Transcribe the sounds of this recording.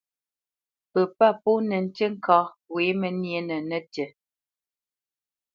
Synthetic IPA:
pə˨pa˦˨pu˦nɛ˨n̩˦tə˦ŋ̩˦kɔ˨˦ | we˨˦mə˨nje˦nə˨nə˦tə˨

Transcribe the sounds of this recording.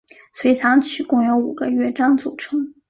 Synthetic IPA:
sʰwe˧˥ɪt͡sʰɑ˧˥ŋt͡ɕʰy˨˩kʊ˥˩ŋjo˧˥ʊu˨˩ɡ̥ə˦ɥɛ˥˩ʈ͡ʂɑ˥ŋt͡su˨˩ʈ͡ʂʰɤ˧˥ŋ

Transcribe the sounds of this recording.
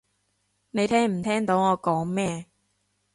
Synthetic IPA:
ne˨˧jt̪ʰɛː˥ŋm̩˨˩t̪ʰɛː˥ŋt̪o˨˥wŋɔː˨˧kɔː˨˥ŋmɛː˥

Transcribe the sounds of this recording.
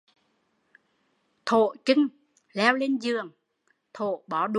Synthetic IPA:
t̪ʰo̰˧˨t͡ɕɨ˧ŋ | lɛ˧wle˧nzɨ˨˩əŋ | t̪ʰo˧˨ɓɔ˨˦ɗ

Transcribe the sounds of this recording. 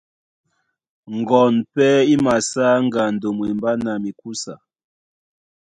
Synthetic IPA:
ŋ̩˨ɡɔ˨npɛ˦i˦ma˨saː˦ŋ˦ɡa˨n̩˨do˨mwi˨mba˦na˨mi˨ku˦sa˨

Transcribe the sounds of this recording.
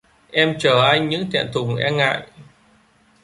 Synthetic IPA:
ʔɛ˧mt͡ɕəː˧˩ʔaː˧jɲɨ̰˧˥ŋt̪ʰɛ̰˧˨nt̪ʰʊ˨˩ŋ͡mʔɛ˧ŋa̰ː˧˨j

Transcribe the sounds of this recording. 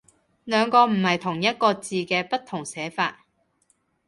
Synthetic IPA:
lœː˨˧ŋkɔː˧m̩˨˩hɐ˨jt̪ʰʊ˨˩ŋjɐ˥t̚kɔː˧t͡siː˨˧kɛː˧pɐ˥t̪ʰːʊ˨˩ŋsɛː˨˥fa̰ː˧t̚

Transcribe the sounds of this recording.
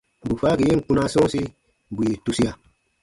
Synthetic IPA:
bu˨fa˦ɡi˨ji˦n˨ku˦na˦so˦si˦˨ | bu˨je˨tu˦si˦ja˨

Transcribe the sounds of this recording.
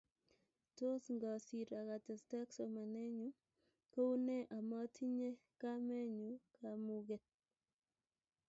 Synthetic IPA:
to˦sŋɡɔ˨si˨ɾa˨ɣa˨tɛ˨sta˦kso˨ma˨nɛ˦ɲu˦ | ko˦u˦ne˦ʔa˨mɔ˦tʰi˦ɲe˦ka˦mɛ˦ɲu˨kamu˦ɣe˨t̚

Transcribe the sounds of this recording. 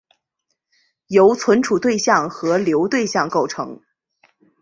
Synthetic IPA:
jo˧˥ʊt͡sʰwə˧˥nʈ͡ʂʰu˨˩t̪we˥˧ɪɕjɑ˥˩ŋxɤ˧˥ljo˧˥ʊt̪we˥˧ɪɕjɑ˥˧ŋko˥˩ʊʈ͡ʂʰɤ̰˧˥ŋ

